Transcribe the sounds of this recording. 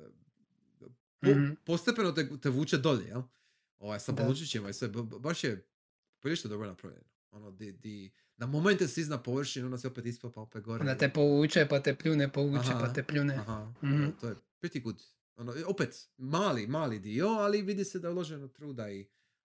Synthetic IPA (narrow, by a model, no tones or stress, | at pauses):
popo̞st̪epenot̪et̪eʋuːt͡ʃed̪oʎḛjel | oːʋajsad̪̚polut͡ʃit͡ʃemoisbaʃje | piiʃt̪ed̪o̞bɾonapɾa̰ʋjʎḛno | onod̪id̪i | namoment̪esiznapo̞ʋr̩ʃinonasjeopet̪isplpaopet̪̚ɡo̞ɾeond̪at̪epouːt͡ʃɛpat̪epʎuːnɛpoʋuːt͡ʃɦepaepʎuːneaɦaot̪ojepɾit̪ikud̪ | onoopet̪maːlimaːlid̪ioaliʋid̪ised̪aulˠoʒenot̪ɾuːd̪ai